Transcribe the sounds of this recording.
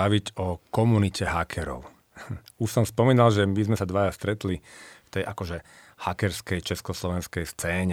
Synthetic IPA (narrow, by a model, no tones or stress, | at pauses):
aʋiɟɔkɔmunicɛɦakʰɛɾɔ̰ʊ | uʃsɔmspɔmiːnalʒɛmizmɛsad̪ʋajast̪ɾɛt̪lift̪ɛjʔakɔʒɛ | hakɛɾskɛjt͡ʃɛskɔslɔʋɛnskɛjst͡sɛːɲɛ